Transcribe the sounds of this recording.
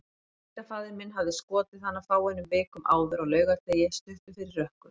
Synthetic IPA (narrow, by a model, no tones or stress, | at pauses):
it̪afaːðɪɾmɪnɦavðɪskɔːt̪ɪθanːafaːwɛnːʏmveːkʏmʔa̰ːwðʏɾaɣlœːɥɣat̪ejɛst̪ʏht̪ʏfɪɾɪrːœhkʏ̥